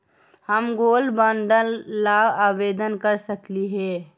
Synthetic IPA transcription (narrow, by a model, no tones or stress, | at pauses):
həmɡoːlbə̃ɳɖəlːaaːʋeːd̪ənkəɾsəkliɦɛː